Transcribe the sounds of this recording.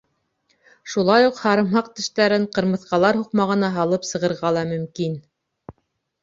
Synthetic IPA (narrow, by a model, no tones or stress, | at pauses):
ʃulˠɑjuqhɑɾɤ̆mɦɑq̚t̪ɘ̆ʃt̪æɾɘɴqɤ̆ɾmɤ̆θqɑlˠɑɾɦuqmɑʁɤ̆nɑɦɑlˠɤpsɤ̆ʁɤ̆ɾʁɑlˠɑmɵ̆mkin